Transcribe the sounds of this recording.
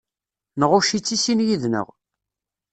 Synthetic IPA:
nəʁʊʃit͡sːisinjiðnə̰ʁ

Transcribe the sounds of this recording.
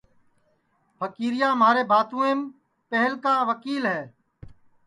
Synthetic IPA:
pʰəkiːɾɪjaːmaːɾeːbʱaːt̪ũːẽːm | pəɦəlkãːʋəkiːlɦɛː

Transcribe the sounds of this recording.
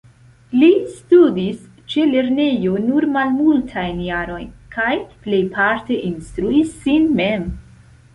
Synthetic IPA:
listudis | t͡ʃe̞le̞ɾne̞jo̞nuɾmalmultʰajnjaɾo̞jnkʰajple̞jpʰaɾte̞ʔinstɾuisːinmem

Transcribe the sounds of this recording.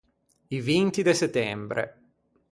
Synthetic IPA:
ivint̪id̪eset̪ːɛmbɾʔḛ

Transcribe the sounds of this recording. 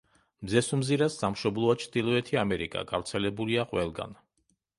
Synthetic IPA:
mzɛsɔmziɾasːamʃɔblˠɔat͡ʃʰd̪ilˠɔɛt̪ʰiamɛɾḭkʼa̰ɡavɾt̪sʰɛlɛbuliaqʼwɛlˠɡa̰n

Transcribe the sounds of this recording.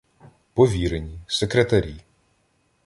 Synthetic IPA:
pɔʋʲiɾenʲisekɾet̪ɐɾʲi

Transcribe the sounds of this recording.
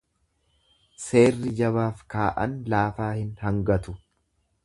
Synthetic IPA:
se̞ːrːɪd͡ʒɐβaːfkaːʔɐ̰nlaːfaːhɪnhɐŋɡɐt̪ʊ

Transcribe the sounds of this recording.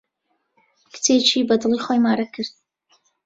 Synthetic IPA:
kʰtʰeːt͡ʃʰibɐdɨliχojmaːɾɐkʰɨrt̚

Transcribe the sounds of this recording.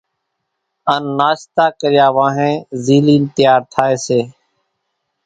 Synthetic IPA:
ənːaːʃt̪aːkəɾɪjaːʋãːɦẽːziːliːnt̪ɪjaːɾt̪ʰaːeːseː

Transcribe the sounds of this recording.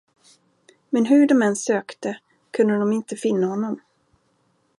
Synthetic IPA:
mɛnɦɵɖɔmɛnsøːkt̪ə | kʰɵnd̪əd̪ɔmɪnt̪əfɪnːahɔnːɔm

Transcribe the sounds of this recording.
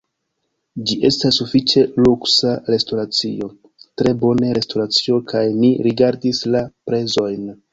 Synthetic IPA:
d͡ʒiʔe̞stasːufit͡ʃe̞luksaɾe̞stoɾat͡sḭo̞ | tɾe̞bo̞neɾe̞stoɾat͡sio̞kajniɾiɡaɾdislapɾe̞zo̞jn

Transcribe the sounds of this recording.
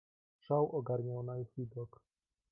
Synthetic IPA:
ʂawʔɔɡaɾɲawnaiid̪ɔk

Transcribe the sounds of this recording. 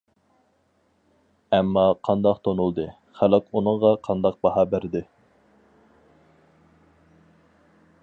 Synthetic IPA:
ɛmːɑqʰɑnd̪ɑqt̪ʰonulˠd̪ɨ | χælɪkunɨɴʁɑqʰɑnd̪ɑq̚bɑhɑːbæɾd̪ɪ

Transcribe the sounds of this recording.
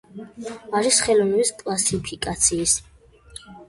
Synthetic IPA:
aɾisχɛlɔnɛbiskʼlasipʰikʼat̪sʰiːs

